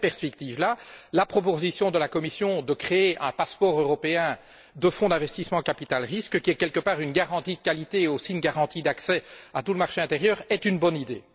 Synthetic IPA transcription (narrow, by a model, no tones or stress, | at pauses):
pɛʁspɛk̚t̪iːvlalapχɔp̬ozisjɔ̃d̪əlakɔmisjɔ̃d̪əkχeeʔɛ̃paspɔʁøʁɔpeɛ̃ | d̪əfɔ̃d̪ɛ̃vɛst̪ismɑ̃kapit̪alʁiskkʲiɛkʲɛlkəpaːʁynɡaʁɑ̃t̪id̪əkalit̪eosinɡaʁɑ̃t̪id̪aksɛat̪uləmaʁʃeɛ̃t̪eʁjœːʁɛt̪ynbɔnid̪ḛː